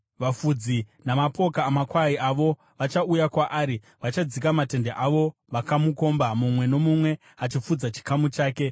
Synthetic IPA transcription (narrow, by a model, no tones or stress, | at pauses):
ʋafud͡zinamapo̞kaːmakwaiʔaʋo̞ | ʋat͡ʃaujakwaʔaːɾi | ʋat͡ʃad͡zikamate̞ndeʔaʋo̞ | ʋakamuko̞mbamumwe̞no̞mumwe̞ | at͡ʃifud͡zat͡ʃi̥kamut͡ʃaːke̞